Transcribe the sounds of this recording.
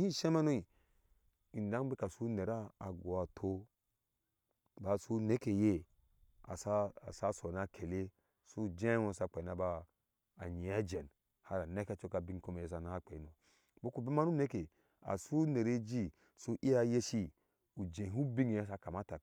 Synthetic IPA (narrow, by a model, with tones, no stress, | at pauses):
hĩ˦˨ʃe˦ma˦no˦i˨ | i˨n˨da˦ŋbi˦ka˨su˦ne˨ɾaː˦˨ɡo˨a˨tʰo˦ | ba˨su˦ne˦ke˨je˦ | a̰˨sa˦a˨sa˦so˨na˦kʰe˨le˦ | su˦˨d͡ʒẽ˦õ˦˨sa˦˨k͡pe˨na˦ba˦ | a˨ɲi˨a˦d͡ʒe˨n | ha˦ɾa˨ne˦ka˦t͡ʃo˦ka˨bi˦ŋ˦ko˦me˨je˦s̬a˨na˦ha˦k͡pe˨i˦no˨ | bo˦ku˨bi˦ma˦nu˦ne˦ke˨ | a̰˨su˦ne˨ɾe˦d͡ʒi˦ | su˦ʔi˦ja˦je˦ʃi˦ | u˨d͡ʒẽ˨ɦu˦bi˦ŋ˨a˦s̬a˦ka˨ma˦ta˨